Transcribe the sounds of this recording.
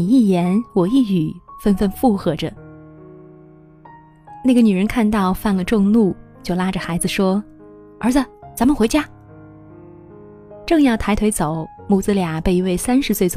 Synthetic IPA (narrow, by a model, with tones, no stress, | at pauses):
i˨˩i˥˩jɛ˧˥nwɔ˨˩i˥˩y˨˩fə˥nfə˥˧nfu˥˩xɤ˧˥ʈ͡ʂə˧ | na˥˩ɡə˩ny˨˩ɻə˧˥nkʰa˥˧nt̪ɑ˥˧ʊfa˥˩nlə˩ʈ͡ʂʊ˥˧ŋnu˥˩ | t͡ɕjo˥˩ʊla˥ʈ͡ʂə˨xa˧˥ɪd͡zɹ̩˨˧ʂwɔ˥ | ə˞˧˥t͡sə˧˩t͡sa˧˥nmə˨nxwe˧˥ɪt͡ɕja˥ | ʈ͡ʂɤ˥˧ŋjɑ˥˩ʊt̪ʰa˧˥ɪt̪ʰwe˧˥ɪt͡so˨˩˦ʊmu˥˩t͡sɹ̩˥lja˨˩˦pe˥˩ɪi˧˥we˥˩ɪsa˥nʂɻ̩˧swe˥˩ɪt͡s